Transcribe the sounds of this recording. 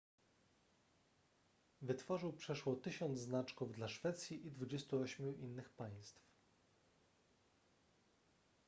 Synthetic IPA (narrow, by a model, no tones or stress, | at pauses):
vɘt̪fɔʐɘwpʂɛʂwɔt̪ɘɕɔnd̪zznat͡ʂkuvd̪laʂfɛt̪sʲjiʔid̪vud͡ʑest̪uɔɕmʲjuʔinːɘxpaj̃st̪f